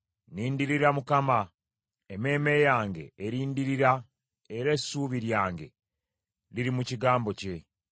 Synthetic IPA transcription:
niːndiɾiɾamukama | eme̞ːme̞jaːŋɡe̞̰ːɾiːndiɾiɾa | eɾe̞suβiɾjaːŋɡe̞̰ | liɾimuciɡaːmbo̞ce̞

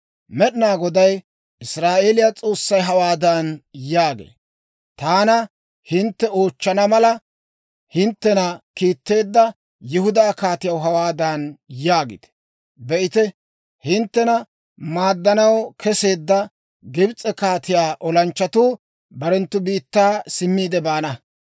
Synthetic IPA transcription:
mɛɗɪnaːɡɔd̪ɐj | ɪsɾaːʔeːlɪjat͡sʼo̞ːsːɐjɦɐwaːd̪anjaːɡḛː | t̪aːnɐ | hɪnt̪ːɛoːt͡ʃːɐnɐmɐlɐ | hɪnt̪ːɛnɐkiːt̪ːe̞ːd̪ːɐ | jɪhʊd̪aːkaːt̪ɪjɐwɦɐwaːd̪anjaːɡɪ̰t̪ɛ̥ | bɛʔɪt̪ɛ | hɪnt̪ːɛnɐ | maːd̪ːɐnɐwkʰɛse̞ːd̪ːɐ | ɡɪbt͡sʼɛkaːt̪ɪjaːʔɔlɐnt͡ʃːɐt̪uː | bɐɾɛnt̪ːʊbiːt̪ːaːsɪmːiːd̪ɛbaːnɐ

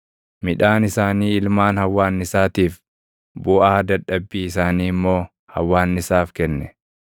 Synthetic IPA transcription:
mɪᶑaːnɪsaːniːɪlmaːnhɐwːaːnːɪsaːt̪iːf | bʊʔaːd̪ɐᶑːɐbːiːɪsaːniːmːo̞ː | hɐ̰wːaːnːɪsaːfkɛnːɛ

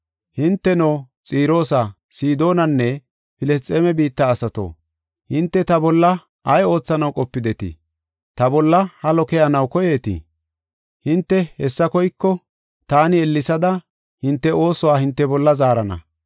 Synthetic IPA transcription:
hɪnt̪ːɛnoː | t͡sʼiːɾo̞ːsɐ | siːd̪o̞ːnɐnːɛ | pɪlɛs̬t͡sʼeːmɛbiːt̪ːɐːsɐt̪o̰ː | hɪnt̪ːɛt̪ɐbɔlːɐ | ʔɐjo̞ːt͡sːɐnɐwkʼɔpːɪd̪ɛt̪ɪ̰ | t̪ɐbɔlːɐhɐlɔkɛjɐnɐwkɔje̞ːt̪ɪ̰ | hɪnt̪ːɛhɛsːɐkɔjkːɔ | t̪aːnɪɛlːɪsɐd̪ɐ | hɪnt̪ːɛo̞ːsɔwaːhɪnt̪ːɛbɔlːɐzaːɾɐnɐ̰

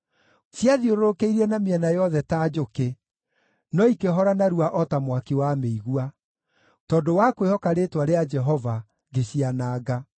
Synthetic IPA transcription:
sjaðioɾoɾokeiɾɛnameɛnajɔðɛtaːd͡ʒoke | nɔikeɦɔɾanaɾuaʔɔtamwakiwameiɣua | tɔːdowakwehɔkaɾetwaɾead͡ʒɛɦɔva | ɡeɕianaːɡa

